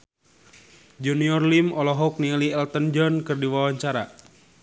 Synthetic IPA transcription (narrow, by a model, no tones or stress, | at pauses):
d͡ʒuniɔrlimɔlɔɦɔk̚nialiɛlt̪ənd͡ʒɔnkɨrdiwawaɲt͡ʃaɾa